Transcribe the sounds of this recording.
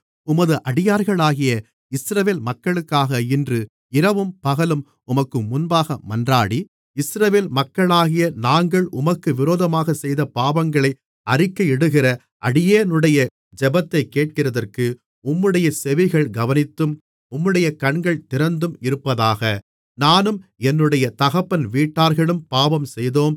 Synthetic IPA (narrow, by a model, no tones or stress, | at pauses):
ʊmɐðɯʔɐɽɪjaːɾɣɐɭaːɣɪjɐ | ɪsɾɐʋeːlmɐkːɐɭɯkːaːɣɐɪndrɯ | ɪɾɐʋɯmpɐɣɐlɯm | ʊmɐkːɯmːʊnbaːɣɐmɐndraːɽi | ɪsɾɐʋeːlmɐkːɐɭaːɣɪjɐnaːŋɡɐɭʔʊmɐkːɯʋɪɾoːðɐmaːɣɐsɛjðɐpaːbɐŋɡɐɭɐɪ | ɐrɪkːɐjɛɽɯɣɪrɐ | ʔɐɽɪjeːnɯɽɐjɐ | d͡ʒɛbɐt̪ːɐɪkːeːʈ̚kɪrɐðɐrkɯ | ʊmːɯɽɐjɐsɛʋɪɣɐɭɡɐʋɐnɪt̪ːɯm | ʊmːɯɽɐjɐkɐɳɡɐɭt̪ɪɾɐnd̪ɯmɪɾɯpːɐðaːɣɐ | naːnɯmɛnːɯɽɐjɐt̪ɐɣɐpːɐnʋiːʈːaːɾɣɐɭɯmpaːbɐmsɛjðoːm